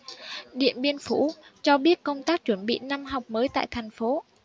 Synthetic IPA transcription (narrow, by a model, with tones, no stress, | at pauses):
ɗḭ˧˨ənɓi˧ənfṵ˧˩t͡ɕɔ˧ɓi˦˥ət̚kə˧wŋ͡mt̪aː˦˥k̚t͡ɕwə˧˩nɓḭ˧˨na˧mɦa˨˩wk͡p̚məː˨˦jt̪a̰ː˧˨jt̪ʰɛ˨˩jŋ̟fo˨˦